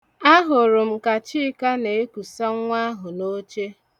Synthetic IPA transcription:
a˦ɦʊ˨ɾʊ˨m̩˦˨ka˨t͡ʃi˦ka˦ne˨e˦ku˨sa˦ŋ̩˦ŋʷa˦ɦʊ˨no˦t͡ʃe˦

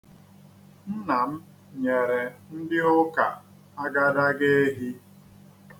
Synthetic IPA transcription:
n̩˦na˨m̩˦ | ɲe˨ɾe˨n̩˦dɪ˦ʊ˦ka˨ | a˦ɡa˦da˦ɡe˦e˦ɦi˦

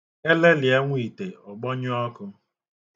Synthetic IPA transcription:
e˦le˦lɪ˨e˦ŋʷi˨te˨ɔ˨ɡ͡bɔ˦ɲ˦ɔ˦kʊ˦

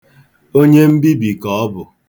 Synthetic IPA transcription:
o˦ɲe˦m̩˦bi˦bi˨kɔ˨ɔ˦bʊ˨

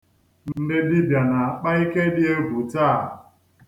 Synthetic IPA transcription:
n̩n̩˦dɪ˦di˦bja˨na˨a˨k͡pa˦i˦ke˦dɪ˦e˦ɡʷu˨taː˦˨

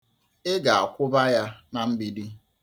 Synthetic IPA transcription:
ɪ˦ɡa˨a̰˨kʷʊ˦ba˦ja˦na˨m̩˦bi˦di˦

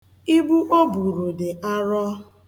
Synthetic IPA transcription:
i˦bu˦ʔo˦bu˨ɾu˨dɪ˨ʔa˦ɾɔ˦

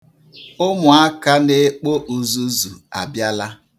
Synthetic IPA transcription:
ʊ˦mʊ˨a˦ka˦ne˦k͡po˦ʔu˨zu˦zu˨a̰˨bja˦la˦

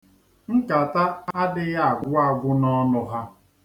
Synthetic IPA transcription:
ŋ̩˦ka˨ta˦a˦dɪ˦ɣa˦a˨ɡʷʊ˦a˦ɡʷʊ˦nɔ˦nʊ˨ɦa˦

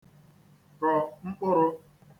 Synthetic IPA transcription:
ɾɔ˨ŋ͡m̩˦k͡pʊ˦ɾʊ˦

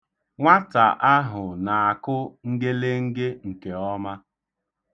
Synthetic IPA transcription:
ŋʷa˦ta˨ʔa˦ɦʊ˨na˨a˨kʊ˦ŋ̩˦ɡe˦le˦ŋ̩˦ɡe˦ŋ̩˨ke˨ɔ˦ma˦

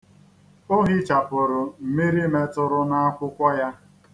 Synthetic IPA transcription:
o˦ɦi˦t͡ʃa˨pʊ˨ɾʊ˨m̩˨mi˦ɾi˦me˦tʊ˦ɾʊ˦na˦a˦kʷʊ˦kʷa˦ja˦

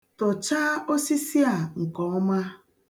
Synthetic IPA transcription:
tɔ˨t͡ʃa˦o˦si˦si˦a˨ŋ̩˨kɔ˨ɔ˦ma˦

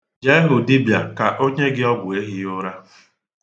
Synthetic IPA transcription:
d͡ʒe˦e˦ɦʊ˨di˦bja˨ka˨ʔo˦ɲe˦ɡɪ˦ɔ˦ɡʷʊ˨e˦ɦɪ˦ʊ˦ɾa˦

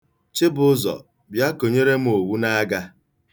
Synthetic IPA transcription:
t͡ʃɪ˦bʊ˦ʊ˦zɔ̰˨ | bja˦ko˨ɲe˦ɾe˦m̩˦o˨wu˦na˦ɡa˦

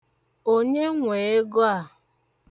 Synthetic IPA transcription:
o˦ɲe˦ŋʷe˨e˦ɡo˦a˦˨

